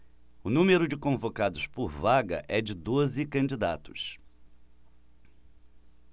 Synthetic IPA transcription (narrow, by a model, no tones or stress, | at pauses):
ʊnũmeɾʊd͡ʒɪkõvokad̪ʊspʊɾvaɡɐ̰ʔɛd͡ʒɪd̪ozɪkɐ̃nd͡ʒid̪at̪ʊ̥s